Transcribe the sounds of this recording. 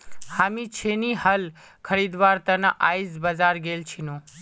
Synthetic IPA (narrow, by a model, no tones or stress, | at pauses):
hamit͡ʃʰenihəl | kʰəɾid̪ʋaɾt̪ənaʔajzbəzaɾɡelt͡ʃʰinũ